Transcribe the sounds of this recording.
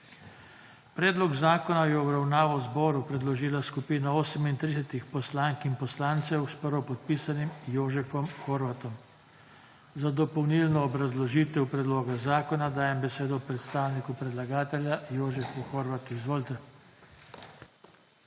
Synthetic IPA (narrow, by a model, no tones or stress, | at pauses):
pɾɛːd̪lɔɡzaːkɔnajɛɔbɾawnaːʋɔwzbɔːɾupɾɛd̪lɔʒiːlaskupiːnaoːsɛmint̪ɾisɛt̪ixpɔslaːŋkinpɔslaːnt̪sɛwspəɾʋɔpɔt̪̚piːsanimjoːʒɛfɔmxɔɾʋat̪ɔm | zad̪ɔpɔwnilnɔːbɾazlɔʒiːt̪ɛwpɾɛd̪loːɡazaːkɔnad̪aːjɛmbɛseːd̪ɔpɾɛt̪st̪aːwnikupɾɛd̪laɡaːt̪ɛlʲjajoːʒɛfuxɔɾʋat̪uizʋoːlt̪ɛ